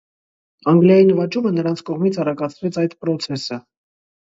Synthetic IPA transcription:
ɑŋɡljɑjinəvɑt͡ʃumənəɾɑnt͡sʰkɔʁmit͡sʰɑrɑkɑt͡sʰvɛt͡sʰɑjd̪pɾɔt͡sʰɛsə

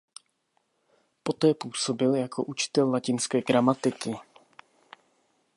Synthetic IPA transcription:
po̞t̪ɛːpuːso̞bɪljakʰo̞̰ʔut͡ʃɪ̥t̪ɛlːacɪnskɛːɡɾamat̪ɪkɪ

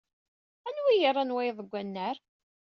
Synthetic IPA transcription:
ænwijəɾˤːɑnwæjðˤəɡʷːænːəɾ

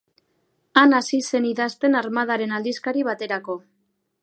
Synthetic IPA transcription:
anasise̞niðast̪e̞naɾmaðaɾe̞nald̪iskaɾiβ̞at̪e̞ɾako̞

